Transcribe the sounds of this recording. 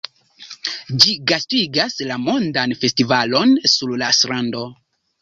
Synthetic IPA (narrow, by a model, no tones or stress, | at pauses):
d͡ʒiɡastiɡaslamo̞ndanfe̞stivalo̞nsuɾlasɾando̞